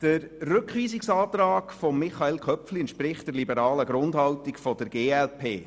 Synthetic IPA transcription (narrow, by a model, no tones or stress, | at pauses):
d̥əɾrʏkχʋiːsiksɑːt̪rɑːkfɔmːɪχɑelkʰχœpfliəntʃpɾɪχtd̥əɾlibəɾɑːləɡɾʊndɦɑltikfɔd̥əɾɡeːɛlpʰeː